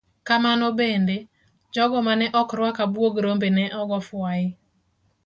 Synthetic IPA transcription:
kamanɔbende | d͡ʒɔɡɔmanɛʔɔkɾwakabwoɡɾombenɛʔɔɡɔfwaɪ

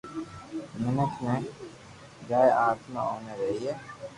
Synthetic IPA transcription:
mɪnət̪mẽ | d͡ʒaːeʔaːt̪ma̰ɦoːneɾɐɦiɦɛː

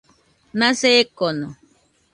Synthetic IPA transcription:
naseːkono

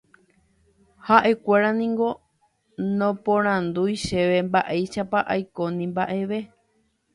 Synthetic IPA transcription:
haʔe̞kʷe̞ɾanĩŋɡo̞ | nõpõɾ̃ãnd̪ujʃe̞ʋe̞mbaʔe̞jʃapaʔajko̞nĩmbaʔe̞ʋe̞

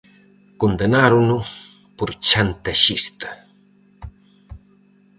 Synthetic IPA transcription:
kond̪anaɾunu | puɾt͡ʃant̪aʃist̪ḁ

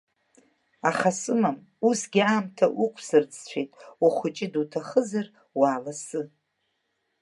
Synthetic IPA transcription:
aχasɨmam | usɡʲiaːmtʰaʔukʷʰsɨrt͡sʼʰt͡ɕʷʰejtʼwaχʷʊt͡ʃʼɪdutʰaχəzar | waːlasɨ

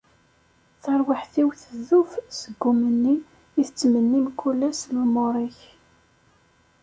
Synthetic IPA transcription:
θəɾˤwaħθiwθəðufsəɡːʊmənːiː | θət͡sːmənːimkːulːæslumʊɾˤiç

